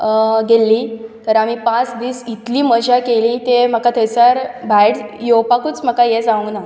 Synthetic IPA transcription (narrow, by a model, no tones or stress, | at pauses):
ɡelːiːt̪əɾamipãt͡sd̪iːsit̪liːməd͡ʑʱakeliːt̪em̤əkat̪ʰəjsaɾbʱajɽjopakut͡sm̤əkajed͡zaʋũna